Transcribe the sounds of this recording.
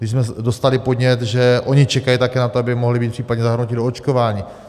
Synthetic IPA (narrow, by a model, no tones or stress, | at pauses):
dɪʃsmɛdo̞st̪alɪpo̞dɲɛt̪ʒɛʔo̞ɲɪt͡ʃɛkajit̪akɛːnat̪oabɪmo̞ɦlɪbiːt̪pr̥iːpadɲɛzaɦrnocɪdoot͡ʃko̞vaːɲiː